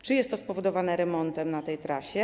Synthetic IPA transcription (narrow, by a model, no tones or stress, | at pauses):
t͡ʂɨjɛst̪ːɔspɔvɔd̪ɔvanɛɾɛmɔnt̪ɛmnat̪ɛjt̪ɾaɕɛ